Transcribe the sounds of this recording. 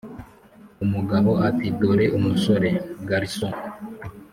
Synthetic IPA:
umuɡaβo̞atidoɾeʔumusoɾe̞ɡaɾisõ

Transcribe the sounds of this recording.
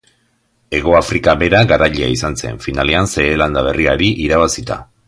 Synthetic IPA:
e̞ɣ̞o̞afɾikaβe̞ɾaɣaɾaʎea̰isanse̞̰nfinale̞anse̞ːland̪aβ̞e̞riaɾiʔiɾaβ̞asit̪a̰

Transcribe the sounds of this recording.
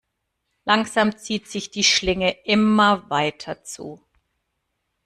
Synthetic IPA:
laŋz̥amt͡siːtz̥ɪçd̥iːʃlɪŋəʔɪmɐvaɪtʰɐt͡sṵː

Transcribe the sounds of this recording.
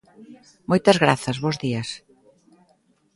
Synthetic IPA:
mojt̪ɐzɣɾaθɐzβozðiɐs

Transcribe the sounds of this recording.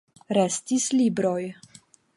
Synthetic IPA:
ɾestislibɾo̞j

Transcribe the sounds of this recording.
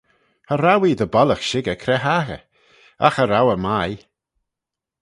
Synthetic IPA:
haɾawiːdəbɔləxʃɪɡəkʰɾɛɦaːɣə̰ | a̰xəɾawəmaj

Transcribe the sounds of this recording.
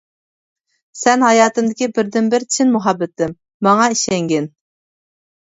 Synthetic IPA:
sɛnɦɑjɑːt̪ɨmd̪ɪkʲibɪɾd̪ɪnbɪɾt͡ʃʰɪnmuɦɑbːɪt̪ːɪmː | ɑŋɑiʃɛŋɡʲɛn

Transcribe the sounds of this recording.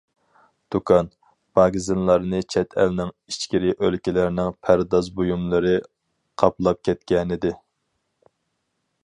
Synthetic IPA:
d̪̥ukʰɑn | b̥ɑɡizɨnlˠɑɾnɨt͡ʃʰɛt̪ʰɛlnɪŋ | it͡ʃkʲiɾɪʔølkʲilɪɾnɪŋpʰæɾd̪ɑzbojumlˠɨɾɨ | qʰɑplˠɑp̚kʲʰɛt̪̚kʲɛnɪd̪ɪ

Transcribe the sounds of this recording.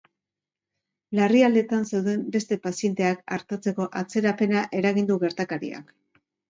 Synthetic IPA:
lariald̪e̞t̪anse̞wðe̞mbe̞st̪e̞pasie̞nt̪e̞akaɾt̪at͡se̞ko̞ʔat͡se̞ɾape̞naʔe̞ɾaɣ̞ind̪uɣe̞ɾt̪akaɾḭa̰k

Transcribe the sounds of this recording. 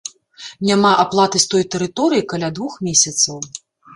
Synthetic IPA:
nʲamaʔaplˠat̪ɨst̪ɔjt̪ɛɾɨt̪ɔɾɨjikalʲad̪vuxmʲesʲɐt̪sɐw

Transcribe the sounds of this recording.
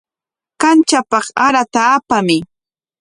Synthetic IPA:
kant͡ʃapɑχaɾat̪aːpamɪ

